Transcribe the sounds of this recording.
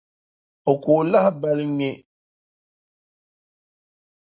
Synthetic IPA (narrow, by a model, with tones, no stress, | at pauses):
o˨kʊ˨la˦hɪ˦ba˦lɪ˦ŋɪ˦